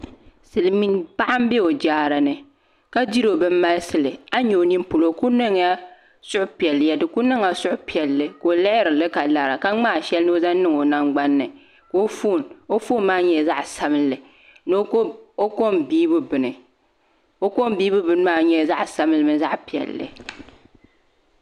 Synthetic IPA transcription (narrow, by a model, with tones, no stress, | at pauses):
sɨ˨lɨ˨mi˦n˦pa˦ʔa˦m˦bɛ˦o˨d͡ʒaː˦ɾa˨nɨ˨ | ka˦di˦ɾo˨bɨ˦m̩ː˦a˦lsɨ˨lɨ˨a˦ɲo˨o˨ni˦m˦pu˨lo˨ku˦nɨ˦ŋ˦ja˦ | sʊ˦ʔʊ˦pi˨ɛ˨lːjɛ˨dɨ˨ku˦nɨ˦ŋa˨sʊ˦ʔʊ˦pi˨ɛ˨lːɨ˦ko˨lɛ˦ʔɪ˦ɾɨ˨lɨ˦ka˨la˨ɾa˨ka˦ŋ͡maː˦˨ʃɛ˦lnɨ˦o˦za˦n˦nɨ˦ŋo˨na˦ŋɡ͡ba˦nːɨ˨ | ko˦fo˦˨no˦fo˦nmaː˦ɲɛ˦˨za˦ʔsa˦mɨ˦lːɨ˨ | no˦o˦ko˦mbiː˦bɨ˦bɨ˨nɨ˨ | o˦ko˦m˦biː˦bɨ˦bɨ˦nɨ˦maː˦˨ɲɛ˦˨za˦ʔsa˦mɨ˦lɨ˨mɨ˦nza˦ʔpi˨ɛ̰˨lːɨ̰˨